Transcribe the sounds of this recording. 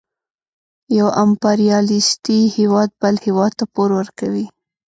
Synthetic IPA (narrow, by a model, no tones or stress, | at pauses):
jawampɑɾijɑlist̪ihewɑd̪̚bəlhewɑd̪̚t̪apoɾwəɾkawi